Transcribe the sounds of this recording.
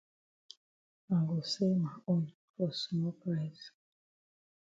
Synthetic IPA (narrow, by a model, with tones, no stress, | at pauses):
a˨ŋɡo˨se˦ma˨o˦n | fɔ˨su˨mɔ˦pɾɛ˦˨s